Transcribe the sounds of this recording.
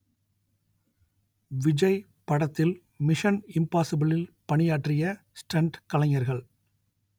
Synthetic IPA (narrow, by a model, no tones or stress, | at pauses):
ʋɪd͡ʒɐɪ | pɐɽɐt̪ːɪl | mɪʂɐnɪmpaːsɪbɪlɪlpɐɳɪjaːʈrɪjɐ | sʈɐɳɖkɐlɐɲɐɾɣɐɭ